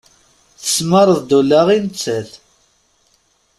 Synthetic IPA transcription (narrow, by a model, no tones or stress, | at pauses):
θə̥sməɾˤəðd̪ulaʁinət͡sːəθ